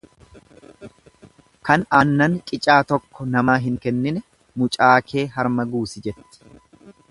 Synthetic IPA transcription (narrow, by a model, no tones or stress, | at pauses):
kɐnaːnːɐnt͡ʃʼɪt͡ʃʼaːt̪ɔkːɔnɐmaːɦɪŋkɛnːɪnɛ | mʊt͡ʃʼaːkʰe̞ːɦɐɾmɐɡuːsɪd͡ʒɛt̪ːɪ̥